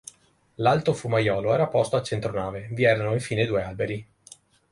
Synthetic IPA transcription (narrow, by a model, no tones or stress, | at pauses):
lalt̪ofumajɔːloɛːɾapɔst̪oat͡ʃent̪ɾonaːveviɛːɾanoiɱfiːned̪uːealbeɾi